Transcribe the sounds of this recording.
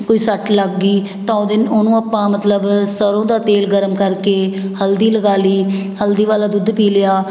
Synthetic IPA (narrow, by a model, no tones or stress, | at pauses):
koːiːsəʈləɡːiː | t̪ãːd̪ɪnoːnũːəpːãːmət̪ləbsəɾõːd̪aːt̪eːlɡəɾəmkəɾkeːhəld̪iːləɡaːliːhəld̪iːʋaːlaːd̪ʊd̪piːlɪjaː